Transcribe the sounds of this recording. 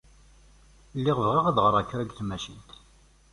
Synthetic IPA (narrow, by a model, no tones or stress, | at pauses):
lːiʁəvʁiʁaðʁəɾˤækːɾæɡθmæʃilt̪